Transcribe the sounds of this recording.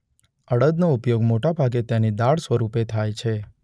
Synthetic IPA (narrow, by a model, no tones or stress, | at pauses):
əɽəd̪noupjoɡmoʈabʱaɡet̪janid̪aɭsʋəɾupet̪ʰajt͡ʃʰe